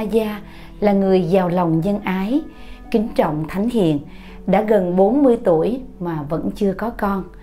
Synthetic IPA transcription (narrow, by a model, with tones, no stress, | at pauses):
zaː˧ | laː˨˩ŋɨ˨˩əjzaː˨˩wla˨˩wŋ͡mɲə˧nʔaː˨˦j | kï˨˦ŋ̟t͡ɕɔ̰˧˨wŋ͡mt̪ʰa˨˦jŋ̟hḭ˧˨ən | ɗa̰ː˧˥ɣə˨˩nɓo˨˦nmɨ˧əjt̪u˧˩əjmaː˨˩və̰˧˥nt͡ɕɨ˧əkɔ˨˦kɔ˧n